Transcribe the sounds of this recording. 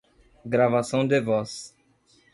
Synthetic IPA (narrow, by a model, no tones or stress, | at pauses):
ɡɾavasɐ̃w̃d̪evɔs